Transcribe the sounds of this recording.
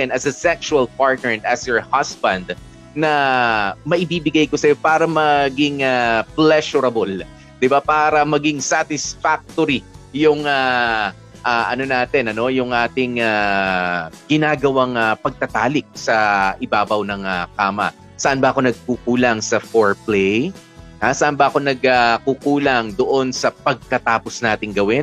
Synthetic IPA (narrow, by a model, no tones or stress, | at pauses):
t̪ɛnɐsɐsɛksʃuwɐlpaɹt̪nɛɹt̪ʔɐsjɔɹhasbɐnd̪̚ | nɐ | mɐʔɪbiːbɪɡajkosɐjo̞paːɾɐmɐɡɪŋaplɛʃʊɾɐbol | d̪̥ɪbapaːɾɐmɐɡɪŋsat̪ɪsfak̚t̪oɾijʊŋa | ʔaʔɐno̞naːt̪ɛnɐno̞jʊŋʔaːt̪ɪŋa | ɡ̥ɪnaːɡɐwaŋɐpɐɡ̚t̪ɐt̪aːlɪk̚sɐʔɪbaːbɐwnɐŋɐkaːmɐ̰ | sɐʔanbɐʔɐko̞nɐɡ̚kukuːlɐŋsɐfoɹplɛj | hasɐʔanbɐʔɐko̞nɐɡakukuːlɐŋd̪oʔo̞nsɐpɐɡ̚kɐt̪aːpo̞snaːt̪ɪŋɡɐwɪn